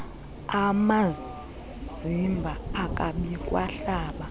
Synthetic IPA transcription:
ama | zimbʱaːkʼaɓikʼwaɬaːɓa

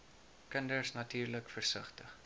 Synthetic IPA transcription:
kəndərsnɐtyːrləkfərsəχtəχ

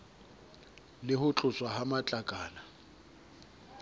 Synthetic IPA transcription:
lɪhʊt͡ɬʼʊt͡sʼwaɦamat͡ɬʼakʼaːna

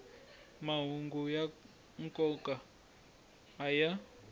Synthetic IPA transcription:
maɦuŋɡuja | ŋkʼɔkʼa | ja

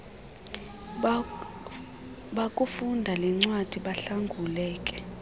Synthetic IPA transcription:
ɓakʼufundʱalɛŋ͡ǀwad̥ʱiɓaɬaŋɡʱulɛːkʼɛ̥

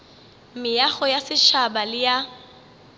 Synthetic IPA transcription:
mɪjaχɔjasɪʃabalɪja

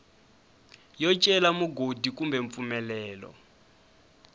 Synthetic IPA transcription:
jɔt͡ʃʼɛlamuɡodikumbɛɱp̪fumɛlɛːlɔ̰

